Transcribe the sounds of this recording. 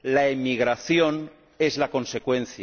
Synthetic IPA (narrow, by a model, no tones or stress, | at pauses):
laemiɣ̞ɾaθjo̞n | e̞zlako̞nse̞kwẽ̞n̟θja